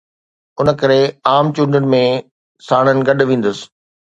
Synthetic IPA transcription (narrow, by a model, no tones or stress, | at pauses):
ʊnə̆kɐɾeaːmt͡ɕũːnɖənɪ̆mẽ | saːɽ̃ənɪ̆ɡɐɗʋẽːn̆d̪ʊsɪ̥̆